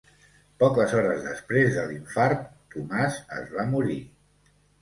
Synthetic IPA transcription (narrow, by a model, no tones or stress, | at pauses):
pɔkəzɔɾəzðəspɾezðəliɱfaɾtt̪umazə̰zβamuɾi